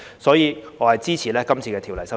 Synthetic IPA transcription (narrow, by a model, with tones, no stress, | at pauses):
sɔː˨˥jiː˨˧ŋɔː˨˧hɐ˨jt͡siː˥t͡sʰiː˨˩lɛː˥kɐ˥mt͡sʰiː˧kɛː˧t̪ʰiː˨˩wlɐ˨˩jsɐ˥